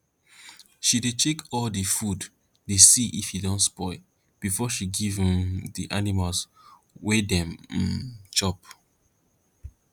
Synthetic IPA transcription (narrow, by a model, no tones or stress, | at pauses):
ʃidet͡ʃekʰɔldefud | desiʔifhidɔ̃ntspɔɪ | b̥ifɔʃiɡiṽmdiʔanimals | wedɛ̃m̩ | t͡ʃɔp̚